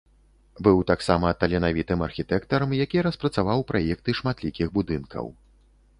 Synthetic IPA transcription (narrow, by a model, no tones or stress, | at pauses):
bɨwt̪aksamɐt̪ɐlʲɛnavʲit̪ɨmɐrxʲit̪ɛkt̪ɐɾɐmjakʲiɾɐspɾɐt̪savawpɾajɛk̚t̪ɨʂmat̪lʲikʲiɣbud̪ɨnkʰɐ̰w